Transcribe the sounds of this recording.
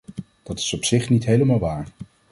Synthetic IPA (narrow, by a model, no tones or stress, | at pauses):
d̥ɑtɪ̥sɔpsɪχnitɦejləmaːlˠʋaːɹ